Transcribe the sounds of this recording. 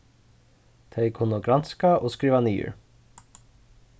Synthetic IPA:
t̪ʰeɪkʰʊnəɡɾɑnskaʔoːskɾiːʋɑniːʏ̰ɹ

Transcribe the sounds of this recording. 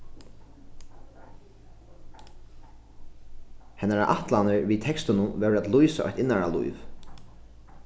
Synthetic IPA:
hɛnːaɾaʔa̰ht̪lanəɹviːt̪ʰɛkst̪ɪnʊnvɛɾæt̪lujsa̰ʔɔ̰jht̪ɪnːaɹalṵjv

